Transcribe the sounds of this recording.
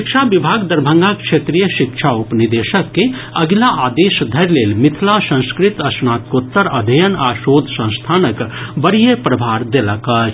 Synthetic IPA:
kʃaʋɪbʱaːɡd̪ɐɾbʱə̃ŋɡakʃeːt̪ɾijəʃɪkʃʰaupnid̪eːʃəkːe | ɐɡlaʔaːd̪eːʃd̪ʱɐɾleːlmɪt̪ʰlasə̃skɾɪt̪ɐsnaːt̪koːt̪ːəɾɐd̪ʱəjənaːʃoːd̪ʱsɐ̃ñst̪ʰaːnəkbɐɽijepɾɐbʱaːɾd̪eləka

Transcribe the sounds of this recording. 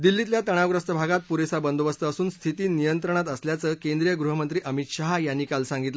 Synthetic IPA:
d̪ilːit̪ljat̪əɽ̃aʋɡɾəst̪əbʱaɡat̪̚puɾesabənd̪oʋəst̪əːsuːnst̪ʰit̪iːnijənt̪ɾəɳ̃at̪əsljat͡səːkẽnd̪ɾijəɡɾuɦəmənt̪ɾiːʔəmit̪ɕaɦjanːiːkalsãŋɡit̪lə

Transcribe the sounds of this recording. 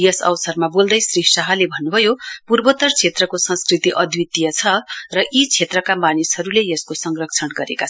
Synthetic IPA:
jʌsʌ̰wsʌrmabold̪ʌjsriaɦʌlebʱʌnːubʱʌjopurbʌt̪ʌrt͡sʰet̪rʌkosʌ̃nskrit̪iʔʌd̪ʱwit̪ijʌt͡sʰʌrʌʔit͡sʰet̪rʌkamanisɦʌɾulejʌskosʌŋrʌk̚t͡sʰʌnɡʌɾekat͡sʰ

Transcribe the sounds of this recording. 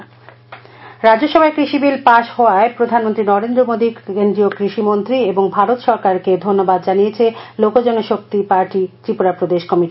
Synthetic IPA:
ɾad͡ʑoʃɔbʱaekɾiʃibilpaʃhɔoaepɾod̪ʱanmont̪ɾinɔɾend̪ɾomod̪ikend̪ɾiokɾiʃimont̪ɾieboŋbʱaɾot̪ʃɔɾkaɾked̪ʱonːobad̪d͡ʑanijet͡ɕʰelokod͡ʑɔŋeʃok̚t̪ipaɾʈit̪ɾipoɾapɾod̪eʃkɔmiʈi

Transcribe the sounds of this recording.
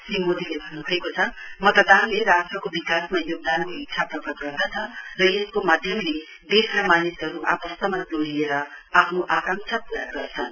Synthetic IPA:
simod̪ʱilebʱʌnːubʰʱuekot͡sʰʌmʌt̪ʌd̪anleɾasʈʌkobikasmajoɡ̚d̪ankoitsʰaprʌkʌɡʌrd̪at͡sʰʌrʌjeskomad̪ʱjʌmle | d̪ekʰɾʌmanisɦʌɾuʔa̰pʌst̪ʌmad͡zoɽieɾʌapʰnoʔakaŋt͡sʰʌpuɾaɡʌrt͡sʰʌn

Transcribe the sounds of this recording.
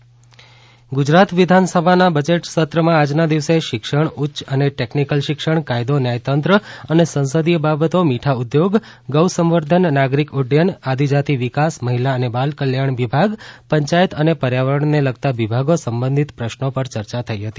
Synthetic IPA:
ɡʊd͡ʒɾat̪ʋid̪ʱansəbʱanabəd͡ʒeʈsət̪ɾəmãad͡ʒnad̪iʋseʃɪkʃəɳutːʃəneʈeknikəlʃɪkʃəɳkajd̪onjajt̪ənt̪ɾəənesə̃ñsəd̪ijəbabət̪omiʈʰaud̪joɡː | əwsəmʋəɾd̪ʱənːaɡɾikʊɖjənad̪ʱid͡ʒat̪iʋikasməɦilaənebalkəljaɳʋibʱaɡpəɲt͡ʃajət̪ənepəɾjaʋəɾəɳneləɡ̚t̪aʋibʱaɡosəmbə̃nd̪ʱit̪pɾəʃnopəɾt͡ʃəɾt͡ʃat̪ʰəiɦət̪i

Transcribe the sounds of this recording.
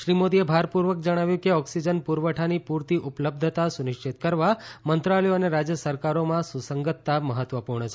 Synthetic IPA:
ʃɾimod̪iebʱaɾpuɾʋəkd͡ʒəɽ̃aʋjũkeɔksid͡ʒənpuɾʋəʈʰanipuɾt̪iʔupləb̚d̪ʱət̪asunɪʃt͡ʃʰit̪kəɾʋamənt̪ɾalɛjoəneɾad͡ʒjəsəɾkaɾomãsusəŋɡət̪ːaməɦət̪ʋəpuɾɳət͡ʃʰe

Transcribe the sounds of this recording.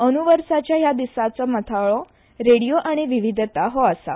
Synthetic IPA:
ənuʋəɾsat͡ɕjajad̪isat͡sɔmət̪ʰaɭɔ | ɾeɽijoʔaɽ̃iʋiʋid̪t̪aɦɔəsa̰

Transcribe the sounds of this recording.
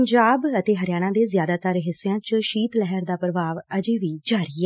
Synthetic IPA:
ɲd͡ʒaːbət̪eːɦəɾjaːɽ̃ãːd̪eːzjaːd̪aːt̪əɾɦɪsːeãːt͡ʃʃiːt̪lɛɦəɾd̪aːpɾəʋaːʋəd͡ʒeːʋiːd͡ʒaːɾɪɛ

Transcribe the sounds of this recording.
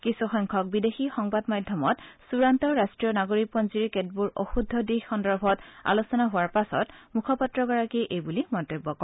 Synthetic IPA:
kisuxɔjŋkʰɔk̚bidexixɔŋbadmadʱjɔmɔtsuɹantɔɹastɹijɔnaɡoɹik̚pɔnziɹket̚buɹoxudʱːɔdixxɔndɔɹbʱɔta̰losɔnaɦʊwaɹpasɔ̰tmukʰɔpatɹɔɡɔɹakiʔejbulimɔntobːɔkɔ

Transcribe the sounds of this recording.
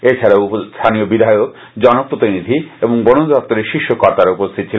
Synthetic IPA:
et͡ɕʰaɾaust̪ʰaniobid̪ʱajok̚ | d͡ʑɔnopɾot̪inid̪ʱieboŋbonond̪ɔk̚t̪oɾeɾʃiʃːokɔɾt̪aɾaupost̪ʰit̪̚ːt͡ɕʰilen

